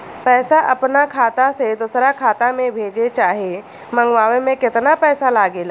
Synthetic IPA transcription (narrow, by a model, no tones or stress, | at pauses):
pɛːsaʔɐpnakʰaːt̪ased̪ʊsɾakʰaːt̪amẽbʱeːd͡ʒet͡ʃaːɦie | mə̃ŋɡʋaːʋemẽkɪt̪napɛːsalaːɡela